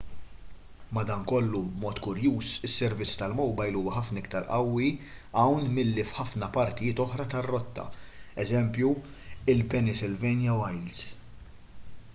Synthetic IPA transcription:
mɐd̪ɐːnkɔlːubmɔːt̪kʊɾjuːsɪsːɛɾvɪt͡sːt̪ɐlmɔwbɐjluːwɐħɐfnɪkt̪ɐɾʔɐwːi | ɐwnmɪlːifħɐfnɐpɐɾt̪ɪjɪːt̪ɔħɾɐt̪ɐrːɔt̪ːɐ̰ɛzɛmpju | ɪlpɛnɪsɪlvɛːnjɐwɐjls

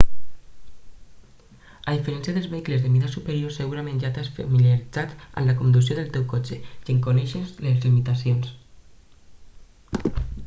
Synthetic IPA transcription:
aðifeɾɛnsiaðelzβeikləzðemiðasupeɾjoseɣuɾamẽnʒat̪asfamiljaɾid͡zat̪ə̰mlakund̪usioðelˠt̪ewkɔt͡ʃekeŋkonɛʃezlezlimit̪asjons

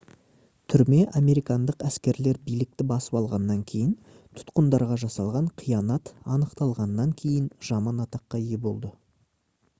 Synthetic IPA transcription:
t̪ʰʏɾme̞ʔɑme̞ɾijkɑnd̪əqæskʲe̞ɾle̞ɾbijlɪk̚t̪ɪbɑsəpɑlˠʁɑnːɑŋkʲʰe̞jɪn | t̪ʰʊ̥t̪qənd̪ɑɾʁɑʒɑsɑlˠʁɑɴqʰijɑnɑt̪ɑnəqt̪ɑlˠʁɑnːɑŋkʲʰe̞jɪnʒ̥ɑmɑnɑt̪ɑqːɑje̞bo̞lˠd̪ə

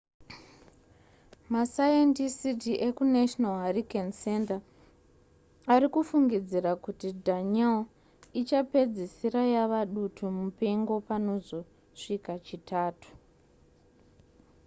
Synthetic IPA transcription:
masajentisitiʔekunaʃnalɦarikense̞nta | arikufuŋɡid͡zirakutidʱaɲa | it͡ʃape̞d͡zisiɾajaʋaɗutʰumupeŋɡo̞pano̞zo̞ | ʂikat͡ʃitʰaːtu̥

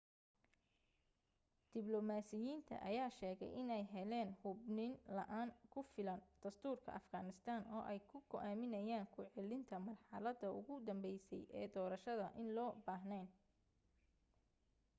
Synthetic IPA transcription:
d̪̥ɪblɔmaːsɪjiːnt̪ʰɐ̰ʔɐ̰jaːʃɛːɣɛ̰jʔɪnɛjɦɛlɛːnhʊbnɪnlɐ̰ʔaːŋkʰʊfɪlɐnd̪̥ɐst̪ʰuːrkʰɐ̰ʔɐfɡaːnɪst̪ʰaːnʔɔːʔɛjkʰʊɡɔʔaːmɪnɐjaːŋkʰʊʕɛlɪnt̪ʰɐmɐrħɑlɐd̪ɐʊ̰ɣʊd̪ɐmbɛjsɛ̰jʔɛːd̪ɔːɾɐʃɐðɐʔɪnlɔːbaːɦnɛn

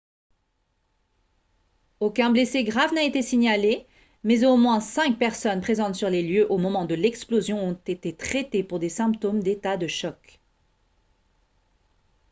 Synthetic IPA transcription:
okʲɛ̃bleseɡʁavnaet̪esiɲale | mɛzomwɛ̃sɛ̃k̚pɛʁsɔnpχezɑ̃t̪syʁleljøʔomɔmɑ̃d̪əlɛksplozjɔ̃ɔ̃t̪et̪et̪χet̪epuʁd̪esɛ̃pt̪omd̪et̪ad̪əʃɔk

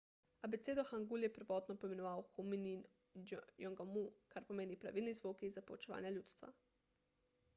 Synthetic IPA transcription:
abet̪seːd̪oxaŋɡuljɛpəɾʋɔːt̪nɔpoimenɔʋaːwxuminin | jɔŋɡamukaɾpomeːnipɾa̰ʋilnizʋokizapoʋot͡ʃeʋa̰ːnjaljuːt̪st̪ʋa̰

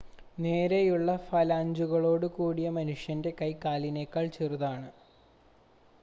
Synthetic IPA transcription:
ne̞ːɾejuɭːɐfɐlaːɲd͡ʑuɣɐɭo̞ːɽɨkuːɽijɐmɐnuʂjɐnde̞kɐjkaːlinekːaːɭt͡ɕeruðaːɳɨ

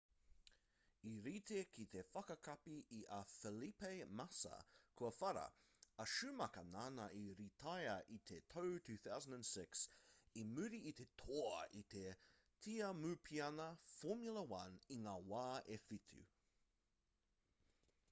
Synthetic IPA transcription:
iɾiːt̪ʰekʰit̪ʰefɐkɐkʰapiːʔɐfɛlipejmasɐ̰kʰuɐfɐɾɐ̰ | ɐʃʉmɐkɐnanɐʔiɾit̪ʰajɐʔit̪ʰet̪ʰowtʰʉːθawzəndə̃nsɪksimʉɾiːt̪ʰet̪ʰoit̪ʰe | tʰiːɐmʉpʰiɐnɐfɔmjulɐwɐniŋaːwaːefit̪ʰʉ̰

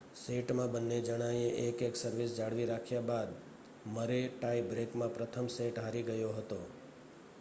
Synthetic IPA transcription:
seʈmãbənːed͡ʒəɽ̃ajeʔekeksəɾʋisd͡ʒaɭʋiɾakʰjabad̪ | məɾeʈaibɾekmãpɾət̪ʰəmseʈɦaɾiɡəjoɦət̪o

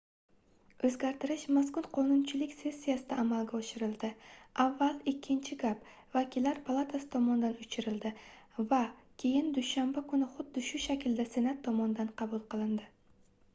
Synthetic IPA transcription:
ɵzɡʲaɾt̪ʰɪɾɪʃmaskʊnqʰɒnʊnt͡ʃʰɪlɪkʲse̞sʲːijasɪd̪aːmalˠɡʲaɒʃɪɾɪlˠd̪ɪʔavːalˠɪkʲʰːɪnt͡ʃʰɪɡap | vakʲɪlːaɾpʰalˠat̪ʰasɪ̥t̪ʰɒmɒnɪd̪anʊt͡ʃʰɪɾɪld̪ɪ | vakʲʰe̞jɪnd̪ʊʃambakʰʊnɪχʊd̪ːɪʃʊʃakʲʰɪld̪ase̞nat̪ʰːɒmɒnɪd̪anqʰɑbulˠqɨlˠɪnd̪ɪ

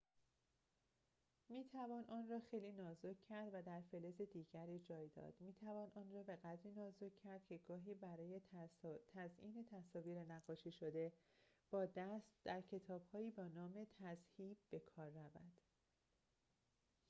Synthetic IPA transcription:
miːt̪ʰævɒːnʔɒːnrɒːxe̞jliːnɒːzocʰːæɾd̪væd̪æɾfeleze̞d̪iːɟæɾiːd͡ʒɒːjd̪ɒ̰ːd̪̥miːt̪ʰævɒːnʔɒːnrɒːbe̞ɣæd̪ɾiːnɒːzocʰːæɾd̪̥cʰe̞ɡɒːɦiːbæɾɒːje̞t̪ʰæzʔiːne̞t̪ʰæsɒːviːɾe̞næɣɒːʃiːʃo̞d̪e̞b̥ɒːd̪æst̪d̪̥æɾcʰe̞t̪ʰɒːb̥hɒːjiːbɒːnɒːme̞t̪ʰæzhiːb̚be̞kʰɒːɾːævæd̪̥

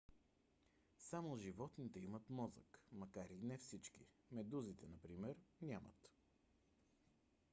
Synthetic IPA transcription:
samoʒivɔt̪nit̪ɛimət̪mɔzə̰kmɐkaɾinɛfsit͡ʃkḭ | mɛd̪uzit̪ɛnɐpɾimɛɾnʲamə̰t̪

